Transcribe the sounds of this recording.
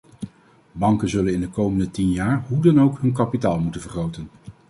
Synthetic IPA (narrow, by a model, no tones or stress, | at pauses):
bɑŋkənzɵlənɪndəkowməndətinjaːɹɦudɑnowkɦɵnkɑpitaːlˠmutənvəɹχrowtən